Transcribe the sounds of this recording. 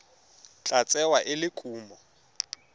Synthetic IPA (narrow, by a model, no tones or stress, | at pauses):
t͡ɬʼat͡sʼɛwaʔɪlɪkʼuːmɔ